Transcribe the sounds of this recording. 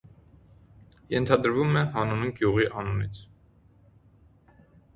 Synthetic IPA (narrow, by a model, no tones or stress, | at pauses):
jɛnt̪ʰɑd̪əɾvumɛɦɑnuniɡjuʁiʔɑnunit͡sʰ